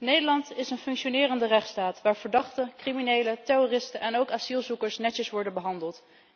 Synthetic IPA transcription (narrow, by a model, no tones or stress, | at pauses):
nejdəɹlɑntɪsənfɵŋkʃonɪːrəndərɛχtstaːtʋaːɹv̥əɹdɑχtəkriminejlətɛrorɪstəʔɛnowkaːsilˠzukəɹsnɛtəsʋɔɹdənbəɦɑndəlˠt